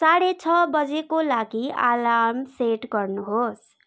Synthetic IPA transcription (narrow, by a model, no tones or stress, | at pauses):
saɽet͡ʃʰʌbʌd͡ʒekolaɡia̰lamseʈɡʌɾnuɦos